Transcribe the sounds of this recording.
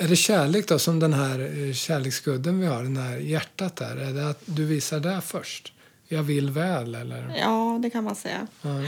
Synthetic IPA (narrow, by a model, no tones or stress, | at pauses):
æɖɛɕæːɭeːk̚d̪ɔsɔmd̪ɛnɦæɾɕæːɭeːksɡɵld̪ːənvɪhaɖɛnhæɾjæʈːat̪̚d̪æ̰ɾæɖɛat̪d̪ɵviːsaɖɛfœʂʈ | jɑːvɪlːvɛːlɛ̰lːə̰ɾjɑːd̪ɛkʰanmansɛjːa̰ɑ